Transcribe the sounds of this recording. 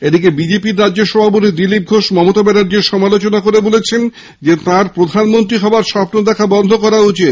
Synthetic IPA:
ed̪ikebid͡ʑepiɾːadːʑoʃɔbʱapot̪̬id̪ilip̚ɡʱoʃmɔmot̪abɛnaɖd͡ʑeɾʃɔmalot͡ɕonakoɾebolet͡ɕʰen | d͡ʑet̪ãɾpɾod̪ʱanmont̪ɾiɦɔbaɾʃɔpnod̪ɛkʰabɔnd̪ʱokɔɾaut͡ɕit̪

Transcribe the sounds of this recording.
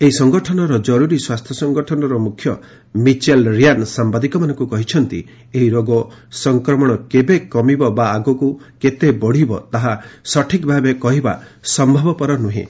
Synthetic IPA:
eɦisɔŋɡɔʈʰɔnɔɾɔd͡ʒɔɾuɾiswast̪ʰjɔsɔŋɡɔʈʰɔnɔɾɔmukʰːjɔ | mit͡ʃelɾijansambad̪ikɔmanɔŋkukɔɦit͡ʃʰɔnt̪ḭ | eɦiɾoɡɔsɔŋkɾɔmɔɽ̃ɔkebekːɔmibɔbaːɡɔkuket̪ebɔɽ̤ibɔt̪aɦasɔʈʰikbʱabekɔɦiba | sɔmbʱɔbɔpɔɾɔnuɦḭ̃

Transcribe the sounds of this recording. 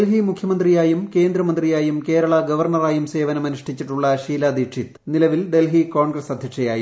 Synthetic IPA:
lɦimukʰjɐmɐnd̪rijaːjumke̞ːnd̪ɾɐmɐnd̪rijaːjumke̞ːɾɐɭɐɡɐʋɐrɳɐraːjumse̞ːʋɐnɐmɐniʂʈit͡ɕːiʈːuɭːɐɕiːlɐd̪ikʂʰit̪nilɐʋilɖ̪e̞lɦiko̞ːɳɡrɐsɐd̪ʱjɐkʂɐjaːji

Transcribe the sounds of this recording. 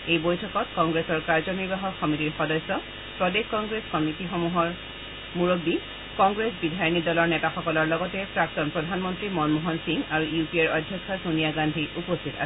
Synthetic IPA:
ejbojtʰɔkɔtkɔŋɡɹesɔɹkaɹzɔniɹbaɦɔkʰxɔmitiɹxɔdɔjsɔ | pɹɔdekkɔŋɡɹeskɔmitixɔmuɦɔɹ | muɹobːi | kɔŋɡɹesbidʱajnidɔlɔɹnɛtaxɔkɔlɔɹlɔɡɔtɛpɹak̚tɔnpɹɔdʱanmɔntɹimɔnmuɦɔnsiŋaɹuʔjupieɹɔdʱjɔkʰːɔsunijaɡandʱiupostʰita̰

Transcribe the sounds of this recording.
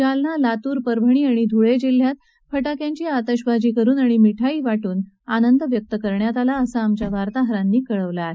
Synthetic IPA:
d͡ʑalnalat̪uːɾpəɾbʱəɳ̃iːaɽ̃id̪ʱuɭed͡ʑil̤ːjat̪̚ | fəʈakjãɲt͡ɕiːat̪əɕbad͡ʑiːkəɾuːnaɽ̃imiʈʰaiːʋaʈuːn | anənd̪əʋjək̚t̪əkəɾɳjat̪alaəsaːmt͡ɕjaʋaɾt̪aɦɾanːiːkəɭəʋlaɾ

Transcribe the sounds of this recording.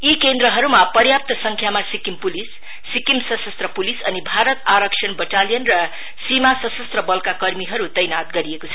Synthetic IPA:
ikend̪ɾʌɦʌɾumapʌrjap̚t̪ʌsʌŋkʰjamasikimpulisː | ikimsʌsʌst̪rʌpulisʌnibʱaɾʌt̪aɾʌksʰʌnbʌʈalijʌnrʌ | simasʌsʌst̪rʌbʌlkakʌrmiɦʌɾut̪ʌjnat̪ɡʌɾiekot͡sʰʌ

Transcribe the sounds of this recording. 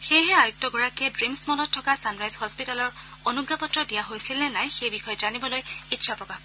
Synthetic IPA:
xejɦɛajuk̚tɔɡɔɹakɛdɹimsmɔlɔtʰːɔkasanɹajzhɔspitalɔɹ | onuɡːapɔtɹɔdijaɦojsilnɛnajxejbixɔjɔzanibɔlojitːʃʰapɹɔkax

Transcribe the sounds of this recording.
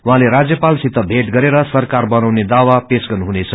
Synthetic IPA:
wuɦãleɾad͡zjʌpalsit̪ːʌbʱeʈɡʌɾeɾʌsʌrkarbʌnawned̪awapesɡʌnɦunet͡sʰʌ

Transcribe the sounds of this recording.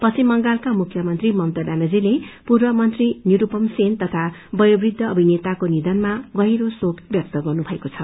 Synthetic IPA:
pʌsimːʌŋɡalkamukʰːjʌmʌnt̪rimʌnt̪ʌbanʌd͡zilepurbʌmʌnt̪rinjuɾupʌmsent̪ʌt̪ʰabʌjobrid̪ʱːʌʌbʱinet̪akonid̪ʌnmaɡʌɦiɾosokʰbjʌk̚t̪ʌɡʌrnubʱʌekot͡sʰʌ

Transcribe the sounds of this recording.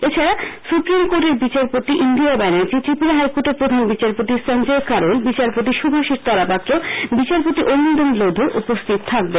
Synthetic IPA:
et͡ɕʰaɾasupɾimkoɾʈeɾbit͡ɕaɾpot̪iʔind̪iabanaɾd͡ʑiʈ̪ɾipiɾaɦajkoʈeɾpɾod̪ʱanbit͡ɕaɾpot̪isənd͡ʑekaɾolbit͡ɕaɾpot̪iʃubʱaʃiɾt̪ɔɾapakɾobit͡ɕaɾpot̪iʔonːod̪onlod̪ʱeɾʔupost̪ʰit̪ot̪ʰak̚be

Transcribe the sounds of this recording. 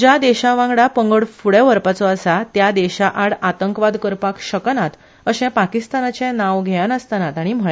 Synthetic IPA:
d͡ʑad̪ɛɕaʋãŋɡɽapəŋɡəɽfuɽeʋəɾpat͡sɔəsat̪jad̪ɛɕaʔaɽat̪əŋkʋad̪kəɾpakɕəknat̪ | əɕɛ̃pakist̪anat͡sɛ̃nãʋɡʱɛanəst̪anat̪aɽ̃im̤əɭe

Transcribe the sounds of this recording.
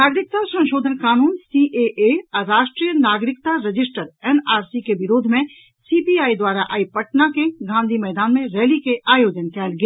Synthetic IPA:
naːɡɾɪk̚t̪asə̃nʃoːd̪ʱənkaːnuːnsiʔeʔeɔɾːaːʃʈɾiːjənaːɡɾɪkt̪aɾəd͡ʒɪsʈəɾɛːnaːɾsikeʋɪɾoːd̪ʱmẽ | sipiaːid̪waːɾaʔaːipəʈnakeɡʱãːnd̪ʱimɛːd̪aːnmẽɾeːlikeʔaːjoːd͡ʒənkɛːlɡjaː

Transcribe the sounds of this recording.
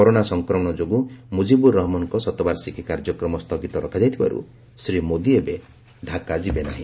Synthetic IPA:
kɔɾonasɔŋkɾɔmɔɽ̃ɔd͡ʒoɡumud͡ʒibuɾɔɦɔmɔnkɔsɔt̪ɔbaɾsikʰikaɾd͡ʒɔkɾɔmɔst̪ʰɔkit̪ɔɾɔkʰad͡ʒajt̪ʰiba̰ɾṵ | sɾimod̪iebe | ɖʱakad͡ʒibena̰ɦĩ

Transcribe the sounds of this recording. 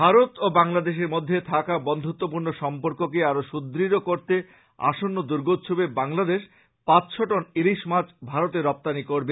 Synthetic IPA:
bʱaɾot̪obaŋlad̪eʃ̬eɾmod̪ʱːet̪ʰakabɔnd̪ʱot̪ːopuɾnoʃɔmpoɾkok̬eaɾoʃud̪ɾiɾokoɾt̪e | a̰ʃonːod̪uɾɡot̪ːʃʰobebaŋlad̪eʃ | pat͡ɕʃʰoʈoniɾiʃmat͡ɕbʱaɾot̪eɾːɔp̚t̪anikoɾbe

